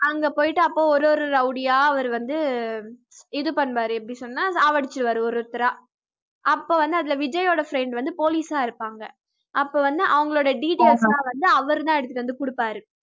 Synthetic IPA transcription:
ɐŋɡeːpoːjɪʈːɯɐpːoːɔɾɔɾɯɐʊɽɪjaːɐʋɐɾɯʋɐnd̪ɯ | ɛðɯpɐɳːʋaːɾɯɛpːɐɽisɔnːaːsaːʋɐɽɪt͡ʃːɯɽɯʋaːɾɯɔɾɯt̪ːɪɾaː | ʔɐpːoːʋɐnd̪ɯɐðɪlɐʋɪd͡ʒɐjoːɽɐfɾɛɪɳɖʋɐnd̪ɯpoːliːsaːɪɾɯpːaːŋɡɐ̰ | ʔɐpːoːʋɐnd̪ɯʔɐʋɐŋɡɐɭoːɽɐɖiːʈelslãːʋɐnd̪ɯɐʋɐɾɯt̪ãːɛɽɯt̪ːɯʈːɯʋɐnd̪ɯkʊɽɯpːaːɾɯ

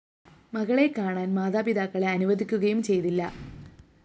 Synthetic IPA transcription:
mɐɣɐɭe̞kːaːɳaːnmaːd̪aːpid̪aːkːɐɭeɐnuʋɐd̪ʱikʲːuɣɐjumt͡ɕe̞jt̪ilːɐ̰

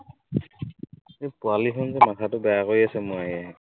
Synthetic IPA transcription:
ejpʊaliɦɔnzɛmatʰatʊbɛjakojasɛmʊaɦiɛɦɛ

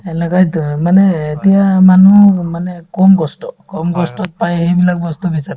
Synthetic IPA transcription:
ɛnɛkajmanɛːtijamanumanɛkɔmɡɔstɔkɔmɡɔstɔt̚pajhejbilak̚ɡɔstɔbisaɾ

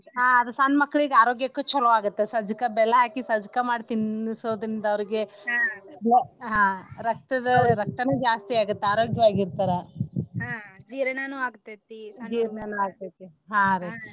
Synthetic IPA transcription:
ɦãːɐd̪ɐsaːnmɐkːɐɭiɡaːɾoːɡjɐkːut͡ʃɔlɐʋaːɡut̪ːesɐd͡ʒkɐbɛlɐɦaːkisɐd͡ʒikɐmaːɖt̪insoʋd̪ɾind̪ɐɐʋɐɾiɡe̞ | ɐɦãɾɐk̚t̪ɐd̪ɐɾɐk̚t̪ɐneːd͡ʒaːst̪iaːɡut̪ːeaːɾo̞ːɡjɐʋaːɡiɾt̪aːɾeɦad͡ʒiːɾɐnanuːaːɡt̪ːet̪ːisd͡ʒiːɾɐnanuaːɡ̚t̪et̪ːiɦãːɾe

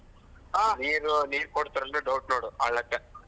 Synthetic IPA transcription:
aniːɾuniːɾkoɽt̪ːɐɾɐnɯɖɐwʈ̚noːɽuɐɭːɐt̪ːe

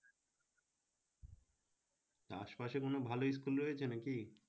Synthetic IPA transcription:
t̪a̰ʃpaʃekonobʱalois̬kulɾojet͡ɕʰenaki

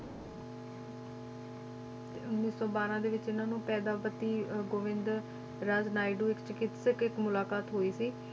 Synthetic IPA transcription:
ʊnnĩːsõːbaːɾãːd̪eːʋɪt͡ʃɪnãːnũːpɛːd̪aːpət̪ːiːɡoːʋɪ̃nd̪ | ɾad͡ʒnaːiɖuːɪkt͡ʃɪkɪt̪sɪkɪkmʊlaːkaːt̪ɦoːiːsiː

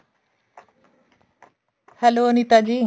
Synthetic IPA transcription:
hɛloːnit̪ad͡ʑiː

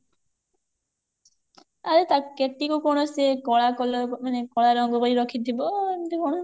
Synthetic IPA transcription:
aɾet̪akeʈːikukɔɽ̃osekɔɭakɔlɔmanekɔɭaɾɔŋɡɔbɔɾiɾɔkʰit̪ʰibɔemt̪ekɔɽ̃o

